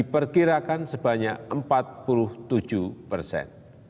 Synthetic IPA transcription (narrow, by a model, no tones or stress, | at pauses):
ipərkiɾakansəba̤ɲakəmpat̪̚pulʊht̪u̥ʒ̥upərsɛ̰n